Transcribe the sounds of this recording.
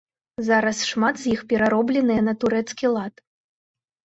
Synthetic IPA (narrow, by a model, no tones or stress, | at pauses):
zaɾɐsʂmat̪zʲjixpʲɛɾaɾɔblʲɛnɨjɐnɐt̪uɾɛt̪skʲilˠat̪